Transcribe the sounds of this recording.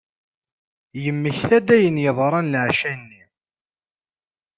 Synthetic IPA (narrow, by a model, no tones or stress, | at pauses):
jəmːəçθæd̪æjənjəðˤɾˤɑnlʕʃænːi